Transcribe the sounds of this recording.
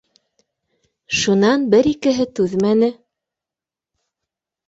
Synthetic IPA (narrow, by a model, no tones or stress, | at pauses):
ʃunɑnbɘɾikɘ̆ɦɘt̪ʉðmænɘ